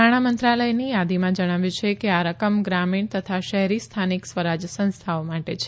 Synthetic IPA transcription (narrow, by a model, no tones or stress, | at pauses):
aɽ̃amənt̪ɾaləjnijad̪imãd͡ʒəɽ̃aʋjũt͡ʃʰekeaɾəkəmɡɾamiɳt̪ət̪ʰaʃəɦɾist̪ʰaniksʋəɾad͡ʒsə̃ñst̪ʰaomaʈet͡ʃʰe̥